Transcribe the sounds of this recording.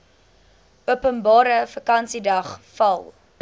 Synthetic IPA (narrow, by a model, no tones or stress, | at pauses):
uəpənbɑːɾəfəkɐnsidɐχfɐlˠ